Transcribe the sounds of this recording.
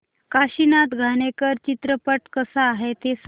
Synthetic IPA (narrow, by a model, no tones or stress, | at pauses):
kaɕinat̪ɡʱañekəɾt͡ɕit̪ɾəpəʈkəsaːɦet̪es